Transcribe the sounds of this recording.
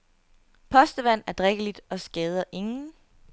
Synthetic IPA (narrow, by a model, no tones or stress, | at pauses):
pʰɒ̽sd̥əʋæn̰æɐd̥ʁɛɡ̥əlid̥ɒ̽sɡ̥ɛːð̞ˠɐʔe̝ŋn̩